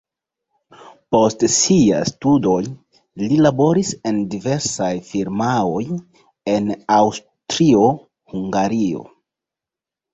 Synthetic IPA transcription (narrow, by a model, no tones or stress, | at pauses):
po̞stsia̰studo̞j | lilabo̞ɾise̞ndive̞ɾsajfiɾmao̞j | e̞naws | tɾio | huŋɡaɾio̞̰